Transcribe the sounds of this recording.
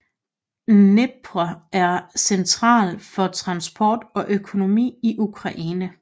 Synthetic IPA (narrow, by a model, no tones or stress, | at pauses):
neb̥ʰʁɐæɐsent͡sʰʁɑ̰̈ːlfɒ̽t͡sʰʁɑ̈nsb̥ɒːd̥ɒ̽ʔøkʰo̝no̝mḭːiʔukʰʁɑ̈ʔiːnə